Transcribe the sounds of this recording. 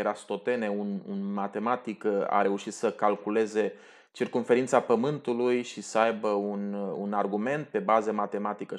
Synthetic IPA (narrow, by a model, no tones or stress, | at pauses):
eɾast̪o̞t̪e̞ne̞unṵnmat̪e̞mat̪ika̰ɾe̞uʃit̪səkalkule̞ze̞ | t͡ʃirkumfe̞ɾint̪sapəmɨnt̪ulujʃisəajbəununarɡume̞nt̪̚pe̞bazəmat̪e̞mat̪ikə